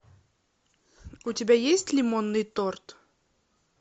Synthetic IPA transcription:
utʲɪbʲajesʲtʲlʲɪmonːɨjt̪ort̪

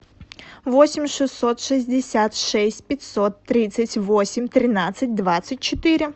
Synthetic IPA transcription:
vosʲɪmʲʂɨsːot̪ʂɨzʲdʲɪsʲat̪ʂɛsʲtʲpʲɪtʲsot̪ːɾʲit̪sətʲvosʲɪmʲt̪ɾʲɪnat̪sət̚ʲd̪vat̪sɨt̚ʲt͡ɕɪt̪ɪɾʲɪ

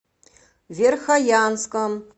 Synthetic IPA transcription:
vʲerxajanskəm

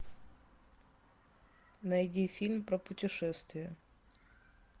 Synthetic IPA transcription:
nɐjdʲifʲilʲmpɾəpʊtʲɪʂɛst̪vʲɪjə

